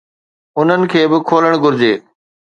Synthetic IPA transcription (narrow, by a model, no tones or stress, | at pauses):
ʊn̤ənɪ̆kʰeːbɪkʰoːləɽ̃ɡʊɾd͡ʑeː